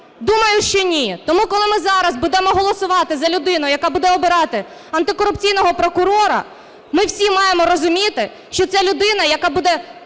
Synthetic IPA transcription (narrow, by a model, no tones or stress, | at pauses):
d̪umɐjʊʃt͡ʃɔnʲit̪ɔmukɔlˠɪmɪzɑɾɐzbud̪ɛmɔɦɔlˠɔsʊʋɑt̪ɪzɐlʲʊd̪ɪnʊjɐkɑbud̪ɛɔbɪɾɑt̪ɪ | ɐnt̪ɪkɔɾʊpt͡sʲijnɔɦɔpɾɔkʊɾɔɾɐ̰ | mɪwsʲimɑjemɔɾɔzʊmʲit̪ɪ | ʃt͡ʃɔtsɛlʲʊd̪ɪnɐjɐkɑbud̪ɛ